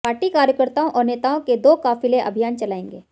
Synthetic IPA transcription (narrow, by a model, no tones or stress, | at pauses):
paːɾʈikaːɾjəkəɾt̪aːõʔɔːɾneːt̪aːõked̪oːkaːfɪleʔɐ̰bʱijaːnt͡ʃɐlaːẽːŋɡeː